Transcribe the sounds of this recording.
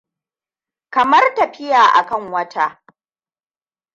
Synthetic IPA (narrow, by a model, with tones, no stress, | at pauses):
kɐ˨mɐ˦rtɐ˨ɸɪ˦jaː˨ʔa̰˨kɐ˦ŋwɐ˦tʰa˦